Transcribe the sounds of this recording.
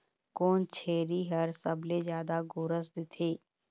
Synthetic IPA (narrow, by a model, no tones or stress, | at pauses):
koːnt͡ʃʰeːɾiɦɐɾsəblezjaːd̪aɡʊɾəs̬d̪ɪt̪ʰeː